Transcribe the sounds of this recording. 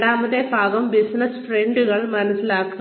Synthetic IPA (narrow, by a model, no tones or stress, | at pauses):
ɽaːmɐðebʱaːɡɐmbisnɐsfreɳɖuɣɐɭmɐnɐsːilaːkːu